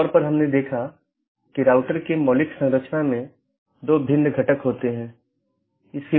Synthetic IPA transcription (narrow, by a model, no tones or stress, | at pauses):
ɾpɐɾɦɐmned̪eːkʰa | kiɾaːʊʈəɾkemɔːlɪksɐ̃ŋɾət͡ʃʰnamẽ | d̪oːbʱɪ̃nd̪ɡʱɐʈəkɦoːt̪eɦɛ̃ː | ɪske